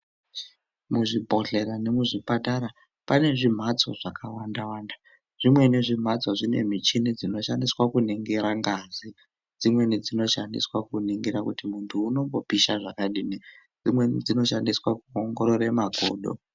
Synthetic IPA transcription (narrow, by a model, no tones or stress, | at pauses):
muʐibʱo̞ɬe̞ɾane̞muʐipataɾa | pane̞ʐim̤at͡so̞ʐ̥akʰawandawaːnda | ʐ̥imwe̞niʐim̤at͡soʐine̞̰mit͡ʃinid͡zino̞ʃandiswakuniŋɡeɾaŋɡazi | d͡zimwe̞nid͡zino̞ʃandiswakuniŋɡeɾakutimuntʰuːno̞ŋɡo̞piʃaʐakaɗiːni | d͡zimwenid͡zino̞ʃandiswakuoŋɡo̞ɾoɾe̞maɡʱo̞̰ːɗo̞̰